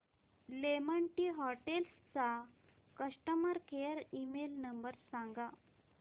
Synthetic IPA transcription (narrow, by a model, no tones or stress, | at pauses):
lemaɳʈiːɦɔʈelst͡sa | kəʂʈəmaɾkejəɾimelnəmbəɾsãŋɡa